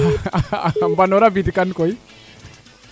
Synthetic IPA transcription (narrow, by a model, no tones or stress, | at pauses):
mbanɔɾabidkankɔj